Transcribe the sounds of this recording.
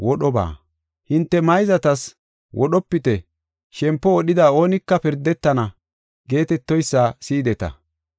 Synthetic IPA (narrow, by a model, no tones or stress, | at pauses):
wɔɗɔba̰ː | hɪnt̪ːɛmɐjzɐt̪ɐs | wʔɔɗɔpːɪt̪ɛ | ʃɛmpːɔɔɗɪd̪ɐo̞ːnɪkːɐpɪɾd̪ɛt̪ːɐnɐ | ɡe̞ːt̪ɛt̪ːɔjsːɐsiːd̪ɛt̪ɐ̰